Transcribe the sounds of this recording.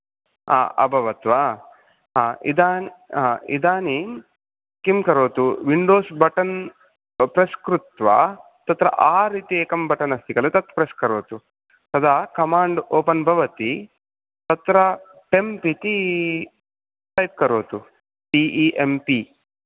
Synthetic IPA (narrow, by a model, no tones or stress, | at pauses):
a̰ːʔɐ̰bʱɐʋɐt̪ʋɐ | ɦaːid̪aːniaːḭd̪aːni | kimkɐɾoːt̪uʋiɳɖoːsbɐʈɐn | pɾɐskɾut̪ʋɐ̰ | t̪ɐt̪ɾɐ̰ʔaːɾiːt̪ieːkɐmbɐʈɐnɐst̪ikɐlet̪ɐt̪pɾɐskɐɾoːt̪u | t̪ɐd̪ʱaːkɐmaːɳɖoːpɐnbʱɐʋɐt̪i | t̪ɐt̪ɾɐ | ʈempit̪i | sɐjt̪̚kɐɾoːt̪u | ʈiːʔiːʔempi